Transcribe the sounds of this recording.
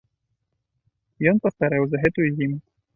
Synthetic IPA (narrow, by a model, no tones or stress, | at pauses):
jɔnpɐst̪aɾɛwzɐɦɛt̪uzʲim